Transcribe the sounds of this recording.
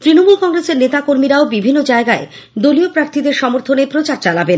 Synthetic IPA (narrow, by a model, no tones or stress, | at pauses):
t̪ɾinomulkɔŋɾeseɾnet̪akoɾmiɾaobibʱinːod͡ʑaeɡae | d̪oliopɾaɾt̪ʰid̪eɾʃɔmoɾt̪ʰonepɾot͡ɕaɾt͡ɕalaben